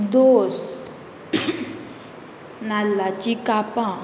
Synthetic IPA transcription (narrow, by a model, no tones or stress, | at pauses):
d̪os | nalːat͡ɕikapã